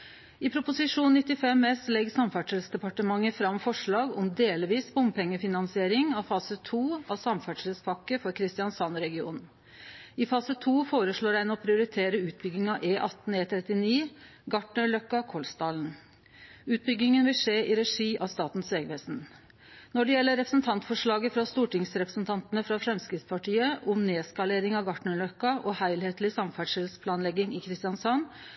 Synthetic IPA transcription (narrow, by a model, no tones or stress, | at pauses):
ɪpʰɾʊpʊsɪʂuːnnɪt̪ːɪfɛmɛslɛɡsɑmfæʈʂəlsd̪ɛpɑʈəmɑŋːəfɾɑmfɔʂɭɑːɡɔmd̪eːlʋiːsbʊmpɛŋːəfɪnɑnsɪeːɾɪŋɑfɑːsət̪ʰuːɑsɑmfæʈʂlspʰɑkːəfɔɾkʰɾɪst̪ɪɑnsɑnɾɛɡɪṵːn | ɪfɑːsət̪ʰuːfoːɾəʂɭoːɖæɪnɔpʰɾɪʊɾɪt̪ʰeːɾəʉːt̪̚bʏɡ̪ɪŋɑʔeːʔɑt̪n̩eːt̪ʰɾɛt̪ɪniː | ɡɑʈɳəɭœkːɑkʰɔlst̪ɑːln̩ | ʉːt̪̚bʏɡːɪŋənʋɪlʂeːʔɪɾɛʂiːʔɑst̪ɑːt̪n̩sʋɛːɡʋeːsn | nɔɖɛjɛlːəɾɛpɾə̥sn̩t̪ʰɑnt̪fɔʂɭɑːɡəfɾɑst̪uːʈɪŋsɾɛpɾəsn̩t̪ʰɑnt̪nəfɾɑfɾɛmskɾɪt̪spʰɑʈʰiːəʔʊmneːskɑleːɾɪŋɑʋɡɑʈɳəɭœkːɑʔɔhæɪlheːt̪lɪsɑmfæɖʂɪlspʰlɑːnlɛɡɪŋɪkʰɾɪst̪ɪɑnsɑn